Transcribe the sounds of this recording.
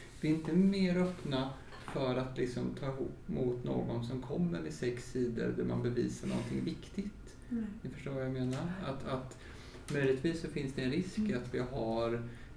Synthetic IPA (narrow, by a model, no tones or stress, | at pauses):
vɪɪnt̪əmeːɾœpna | fœɾat̪lɪksɔmt̪ʰɑːɪɦuːpːmʊt̪no̰ːɡɔnsɔmkʰɔmːə̰ɾɪsɛksiːd̪ə̰ɾd̪æɾma̰nbɛvḭːsaɳɔ̰nt̪ʰɪŋvɪkt̪ɪɡt̪ | nɪfœ̥ʂʈoːɾvajameːnaɾat̪at̪ | mœjlɪt̪viːsːɔfɪnsd̪ɛɛnɾɪskat̪vɪɦaɾ